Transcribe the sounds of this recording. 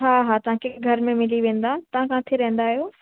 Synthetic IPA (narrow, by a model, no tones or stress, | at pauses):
ɦaːɦaːt̪ɐʋ̤ãkʰeɡʱɐɾmẽmɪliʋẽːn̆d̪aːt̪ɐʋ̤ãkãːt̪ʰeɾɐɦẽn̆d̪aːɦijoː